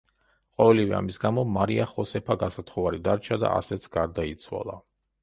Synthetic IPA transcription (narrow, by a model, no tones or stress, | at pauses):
qʼɔvɛlivɛa̰misɡamɔmaɾiaχɔsɛpʰaɡasat̪ʰχɔvaɾid̪aɾt͡ʃʰad̪a̰ʔa̰sɛt̪sʰɡ̥aɾd̪ait̪sʰwa̰lˠa